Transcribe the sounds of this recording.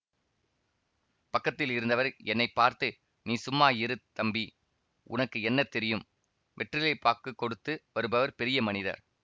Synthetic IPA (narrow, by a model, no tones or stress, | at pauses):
pɐkːɐt̪ːɪlɪɾɯnd̪ɐʋɐɾɛnːɐɪpːaːɾt̪ɯ | niːsʊmːaːjɪɾɯt̪ɐmbi | ʊ̰nɐkːɯɛnːɐt̪ɛɾɪjɯm | ʋʔɛʈrɪlɐɪpaːɾkɯkːɔɽɯt̪ːɯʋɐɾɯbɐʋɐɾpɛɾɪjɐmɐnɪðɐ̰ɾ